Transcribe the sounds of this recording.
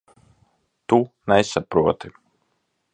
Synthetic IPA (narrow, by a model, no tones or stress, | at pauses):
t̪unɛsapɾuɔt̪i